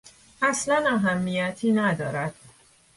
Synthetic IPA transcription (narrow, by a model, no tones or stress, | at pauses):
ʔæslænæɦæmːijæt̪ʰiːnæd̪ɒ̰ːɾæd̪̥̚